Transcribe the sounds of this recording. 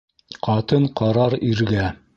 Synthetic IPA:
qɑt̪ɤɴqɑɾɑɾiɾɡæ

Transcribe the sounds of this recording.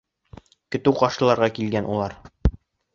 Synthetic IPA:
kɵ̆t̪ɘwqɒʃɤ̆lˠɑɾʁɑkilɡænulˠɑɾ

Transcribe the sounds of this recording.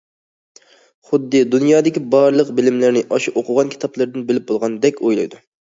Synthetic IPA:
χʊd̪ːɨd̪unjɑːd̪ɪkʲibɑɾlˠəqbɪlɪmlɪɾnɪʔɑʃiʔoqʰʊʁɑnkʲʰi̥t̪ʰɑplˠɨɾd̪ɨnbɪlɪp̚bolˠʁɑnd̪ɛkʲojlˠɑ̰jd̪u

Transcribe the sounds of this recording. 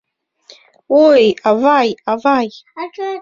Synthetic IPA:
wojavajavaj

